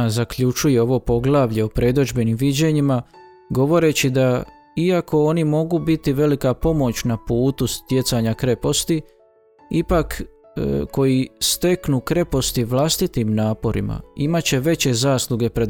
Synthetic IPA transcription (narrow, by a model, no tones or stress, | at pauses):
zakʎut͡ʃuje̞o̞ʋo̞po̞ɡlˠaːʋʎe̞opɾʔe̞d̪od͡ʒbe̞nimʋid͡ʑe̞ɲima | ɡo̞ʋo̞ɾe̞t͡ɕid̪a | iako̞o̞nimo̞ɡubit̪iʋe̞likapo̞mo̞t͡ɕnapuːt̪ust̪je̞t̪saɲakɾe̞po̞st̪i | ipak | ko̞jist̪e̞knukɾe̞po̞st̪iʋlˠast̪it̪imnaːpo̞ɾḭma̰imat͡ɕe̞ʋe̞t͡ɕe̞zaːslˠuɡe̞pɾe